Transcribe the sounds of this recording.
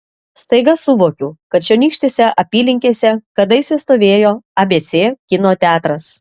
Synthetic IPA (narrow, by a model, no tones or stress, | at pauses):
st̪ɐɪɡɐsʊʋoːkʲuːkɐt̪t͡ʃʲɛnʲiːkʃʲt̪ʲesʲɛʔɐpʲiːlʲɪŋʲkʲeːsʲɛkɐd̪ɐɪsʲɪst̪oːʋʲeːjoːɐbʲeːt̪sʲeːkʲɪnoːt̪ʲæːt̪ɾɐs